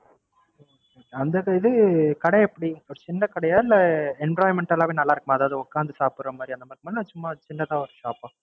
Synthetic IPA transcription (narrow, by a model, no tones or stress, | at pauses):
ɐnd̪ɐɪðɯkɐɽɐɛpːɐɽiɔɾɯt͡ʃɪnːɐkɐɽɐjaːlɛɳblaːjmɛɳʈɐlaːʋeːnɐlːaːɪɾɯkːɯmãːɐðaːʋɯðɯɔkːaːnd̪ɯsaːpɯɾːɐmaːd̪ɾiɐnd̪ɐmaːd̪ɾimad̪ɾnaːt͡ʃʊmːat͡ʃɪnːɐt̪ãːɔɾɯsaːpõː